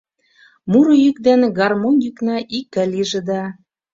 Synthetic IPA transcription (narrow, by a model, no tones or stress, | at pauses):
muɾɤ̆jykd̪eneɡɑrmonjyknɑʔikːɘ̆liʒĕd̪ɑ